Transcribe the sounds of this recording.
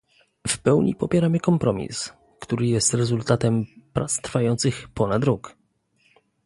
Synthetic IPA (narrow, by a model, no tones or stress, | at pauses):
fpɛwɲḭpɔpʲjɛɾamɘkɔmpɾʔɔmʲḭs | kt̪uɾɘjɛst̪ɾɛzult̪at̪ɛmpɾat̪st̪ɾfajɔnt̪sɘxpɔnad̪ɾɔk